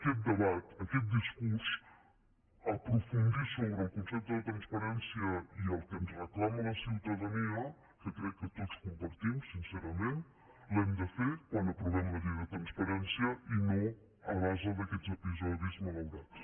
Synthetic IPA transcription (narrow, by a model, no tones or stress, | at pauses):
ɐket̪̚d̪ɨβat̪ɐket̪̚d̪iʃkuɾsu̥ | ɐpɾufũnd̪iɾsoβɾɐkõsɛjt̪̚duðɐt̪ɾɐ̃ʃpɐɾẽnsjɐielˠt̪emuʃʁɨklˠamɐðɐsiwt̪ɐðɐnialˠ | kɐk̪ɾɛkɨt̪oðuʃkõmpɐɾt̪imuʃsĩsɛɾɐmẽnt̪ | lˠemd̪ɐfekwɐ̃nd̪ɐpɾuβlɛmɐðiɾɐt̪ɾɐ̃ʃpɐɾẽnsjɐinɐ̃w̃ | ɐʁazɐðɐkelzepizɔðjuzmɐlɐwɾaʃ